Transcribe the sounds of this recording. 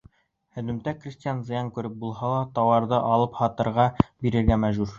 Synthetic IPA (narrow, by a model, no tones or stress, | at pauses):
hɵ̆ðɵ̆mt̪ækrʲisʲtʲijanzɤ̆jɑŋkʉɾɘp̚bulˠhɑlˠɑt̪ɑwɑɾd̪ɤʔɑlˠɤphɑt̪ɤ̆ɾʁɑbiɾɘ̆ɾɡæmæʒuɾ